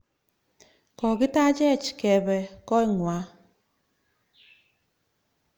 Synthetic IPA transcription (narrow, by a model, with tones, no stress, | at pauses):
kɔ˨ɡɪ˦ta˦d͡ʒɛ˦˨t͡ʃi̥˨kɛ˨bɛ˨kɔ˦i˦ŋwa˨˦